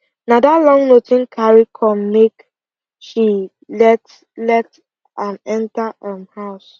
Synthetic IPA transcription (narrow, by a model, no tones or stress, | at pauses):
nadalɔ̃ŋnotĩnkʰaɹikʰɔmnek | ʃi | lɛt | lɛt | ãnɛ̃ntaʔãmhaʊs